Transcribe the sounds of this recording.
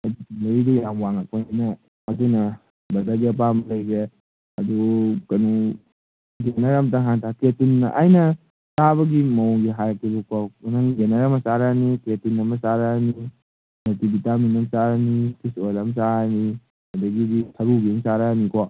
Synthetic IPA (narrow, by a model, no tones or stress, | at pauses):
ɐdutilejdijamwaŋak̚panajnɐː | dunɐ | bɐzaɡiɐp̬amlɐjɡe | ɐdukɐnɔw | ɡenaɾamtaŋɦantʰaketunːɐʔajnɐ | saβɐɡimɐwŋɡiɦaɾkibɐkanaŋɡenaɾamɐsaɾaniketunːɐmɐsaɾani | notibitaminɐmsaɾanikisolɐmsani | ɐdɐɡiditʰɐɾuɡiuŋsaɾanikʰo